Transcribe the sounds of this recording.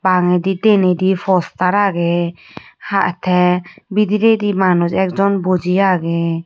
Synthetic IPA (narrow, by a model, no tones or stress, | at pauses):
baŋɛd̪it̪ɛnɛd̪ipʰɔst̪aɾaɡɛ | haʔt̪ʰɛbid̪iɾed̪imanɔd͡ʒɛk̚d͡ʒɔnbɔd͡ʒiaɡɛ